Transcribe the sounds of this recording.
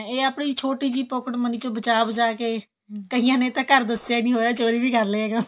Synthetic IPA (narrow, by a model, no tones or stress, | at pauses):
eːaːpɳiːt͡ʃʰoːʈiːd͡ʒiːpʊkəʈmənĩːt͡ʃõːbət͡ʃaːbd͡ʒaːkeː | kəɦijãːnẽːt̪ãːkəɾd̪əsjaːinĩːɦoːjaːt͡ʃoːɾiːbiːkəɾleːɛːɡə